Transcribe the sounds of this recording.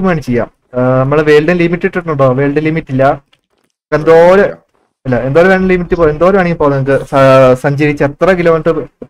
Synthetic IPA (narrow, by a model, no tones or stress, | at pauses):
umaːɳɨt͡ɕejːa̰ːm | nɐmːɐɭʋeːɭɖɐlimiʈːiʈːiʈːuɳɖoːʋe̞ːɭɖɐlimiʈːilːɐ | kːend̪oːɾu | ɐlːɐend̪oːɾumeːɳlimiʈːipoend̪o̞ːɾumaːɳiumpoːnɐkːɨsɐsɐɲd͡ʑɐɾit͡ɕːet̪rɐɡilɐmɐɳʈɨ